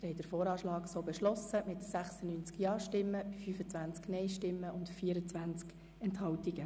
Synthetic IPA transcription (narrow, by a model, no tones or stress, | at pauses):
hɛɪd̥əɾfoːɾɑːʃlɑːɡsoːbɛʃlɔsəmɪtsæχsənyːnt͡skjɑːʃtɪmːəbifyːfət͡sʋænt͡sknɛɪʃtɪmːəʊndfiːəɾət͡sʋænt͡sk | ɛnthɑwtiɡə